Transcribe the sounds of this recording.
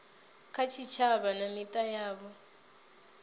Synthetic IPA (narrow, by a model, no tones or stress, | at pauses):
kʰat͡ʃʰit͡ʃʰaβanamitʼajaːβɔ